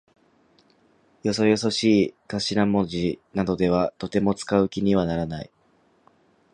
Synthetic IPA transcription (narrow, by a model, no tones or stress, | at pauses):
jo̞so̞jo̞so̞ɕiːkaɕiɾamo̞ʑinad̪o̞d̪e̞β̞at̪o̞t̪e̞mo̞t͡sɨ̥kaɯ̟kʲiɲ̟iβanaɾanai